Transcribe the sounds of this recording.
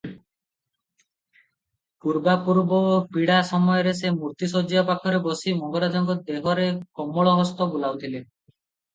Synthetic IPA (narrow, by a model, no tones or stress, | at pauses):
puɾbapuɾbɔopiɽasɔmɔjɔɾes̬emuɾt̪isod͡ʒiɔpakʰɔɾebosimɔŋɡɔɾad͡ʒɔŋɡɔd̪eɦɔɾekɔmːɔɭɔɦɔst̪ɔbulawt̪ʰile